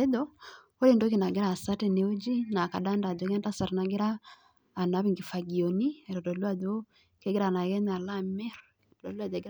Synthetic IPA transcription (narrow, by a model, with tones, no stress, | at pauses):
e˦dɔ˦ | o˦li˦˨ndo˦ki˨na˨ɡɪ˦ɾa˦˨sa˦te˨ne˨o˦d͡ʒi˦na˨ka˨da˦nda˨do˨˦kɛ˦nda˦sa˨ɾna˨ɡɪ˦ɾaː˦˨ | na˨˦βi˨ŋɡi˨fa˨ɡi˨o˨ni˦ɛ˨ɾɔ˨dɔ˨lu˦a˦do˦ | ke˦ɡɪ˦ɾa˨na˨ɡɛ˦na˨la˦mɛ˦ɾɾɔ˨dɔ˨la˨de˨ɡ